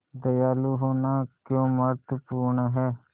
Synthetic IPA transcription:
d̪əjaːluːɦoːnaːkjõːməɾt̪əpuːɾɳɦɛː

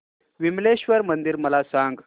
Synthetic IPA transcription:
ʋimleɕʋəɾmənd̪iɾməlasãŋɡ

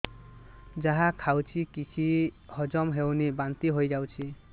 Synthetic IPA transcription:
d͡ʒaɦãkʰawt͡ʃʰikit͡ʃʰihɔd͡ʒɔmɦewnibant̪iɦojd͡ʒawt͡ʃʰi

